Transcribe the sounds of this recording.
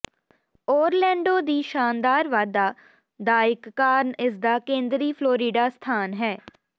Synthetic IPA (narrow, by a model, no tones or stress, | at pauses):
ɔːɾlɛ̃ːɳɖoːd̪iːʃaːnd̪aːɾʋaːd̪aː | d̪aːɪkːaːɾnɪsd̪aːkẽːnd̪ɾiːpʰloːɾiːɖaːst̪ʰaːnɦɛː